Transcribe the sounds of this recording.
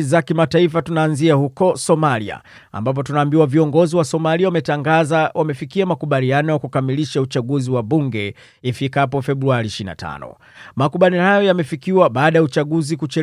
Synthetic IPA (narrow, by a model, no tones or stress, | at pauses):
zakimataifatunaːnziahukɔsɔmalḭa̰ | a̰mbap̬ɔtunaːmbiwaviɔŋɡɔziwasɔmaliawamɛtaŋɡazawamɛfikiamakuɓalianɔjakukamiliʃaut͡ʃaɠuziwaɓuŋɡɛ | ifikapɔfɛɓɾuaɾiʃiina̰tʰa̰nɔ̰ | makuɓalihajɔjamɛfikiwaɓaːɗajaut͡ʃaɠuzikut͡ʃɛ